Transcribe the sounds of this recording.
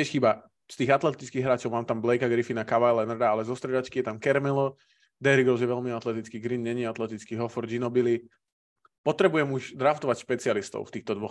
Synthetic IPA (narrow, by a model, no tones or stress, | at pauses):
ɪɛʃxiːba | st̪iːɣat̪lɛt̪it͡skiːɣɦɾaːt͡ʃɔʊmaːmt̪amblɛjkaɡɾifinakaʋajlɛnrd̪aalɛzɔst̪ɾɛd͡ʒat͡ʃkijɛt̪amkɛɾmɛlɔ | d̪ɛɾiɡɔzjɛʋɛlmiat̪lɛt̪it͡skiːɡɾinɲɛɲiɛat̪lɛt̪it͡skiɦɔfɔɾd͡ʒinɔbili | pɔt̪ɾɛbujɛmuʃd̪ɾaft̪ɔʋacʃpɛt͡siɪalist̪ɔ̰ʊft̪iːxt̪ɔd̪ʋɔx